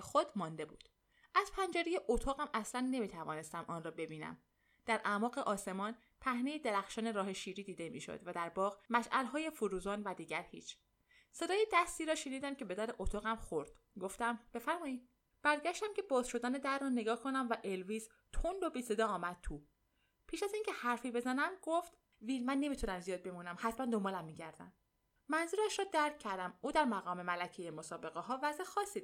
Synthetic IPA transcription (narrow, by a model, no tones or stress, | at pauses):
xod̪̥mɒnd̪e̞buːd̪̥ | ʔæz̥pʰænd͡ʒæɾejeʔot̪ʰɒːɣæmæslænːe̞miːt̪ʰævɒːne̞st̪æmʔɒːnrɒːbe̞biːnæ̰m | d̪̥æɾʔæmɒːɣeʔɒːse̞mɒːn | pʰæhne̞jed̪eɾæxʃɒːne̞ɾɒːhe̞ʃiːɾiːd̪iːd̪e̞mḭːʃo̰d̪̥væd̪æɾbɒːɣmæʃʔælɦɒːje̞fuɾuːzɒːnvæd̪iːɟæɾhḭːt͡ʃʰ | se̞d̪ɒːjed̪æst̪iːɾɒːʃe̞niːd̪æmcʰe̞be̞d̪æɾeʔot̪ʰɒːɣæmxoɾd̪̥ | ɡo̞ft̪æmb̥e̞fæɾmɒːid̪̚ | b̥æɾɟæʃt̪æmcʰe̞bɒːzʃo̞d̪æːne̞d̪æɾːɒːne̞ɡɒːhkʰonæmvæʔe̞lviːz | t̪ʰonbobise̞d̪ɒːmæd̪̥̚t̪ʰuː | pʰiːʃæziːŋcʰe̞hæɾfiːbe̞zænæmɡoft̪ | viːlmænːe̞mit̪ʰunæmzijɒːd̪̚be̞muːnæmhæt̪ʰmænd̪o̞mbɒːlæmːiːɟæɾd̪æ̰n | mænzuːɾæʃɾɒːd̪æɾcʰːæɾd̪æmuːd̪æɾmæɣɒːme̞mælæcʰejemosɒːbe̞ɣeɦɒːvæzexɒːsiːd̪